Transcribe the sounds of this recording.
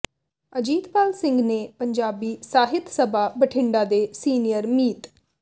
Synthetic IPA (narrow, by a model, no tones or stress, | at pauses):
əd͡ʒiːt̪paːlsɪ̃ŋɡnepəɲd͡ʒaːbiːsaːɦɪt̪səbʱabəʈʰɪ̃ɳɖad̪esiːnijəɾmiːt̪